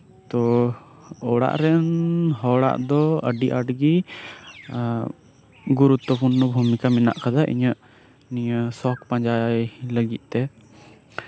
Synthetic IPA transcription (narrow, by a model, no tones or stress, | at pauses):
t̪ɔ | ɔɽa̰ʔɾɛnɦɔɽa̰ʔd̪ɔəɖiʔaɖɡi | ɡuɾut̪ːɔpunːɔbʱumikamina̰ʔkad̪aʔḭɲəʔ | nijəsɔk̚pãɲd͡ʒajləɡit̪̚ˀt̪ɛ